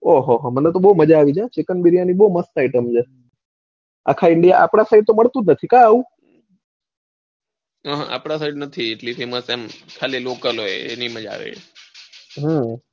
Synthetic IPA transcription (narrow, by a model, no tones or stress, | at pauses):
oɦoɦomənet̪obəuməd͡ʒaːʋid͡ʒat͡ʃekənbiɾijanibəuməstaiʈəmd͡ʒe | a̰kʰaɪɳɖijaʔa̰pɽ̃asaiʈ̚t̪oməɭt̪ũnət̪ʰikãaʋũ | ɦəɦa̰pɽ̃asaiɖnət̪ʰieʈlifʰiməsemkʰalilokəlɦojḛniməd͡ʒa̰ʋḛʃ | ɦə̃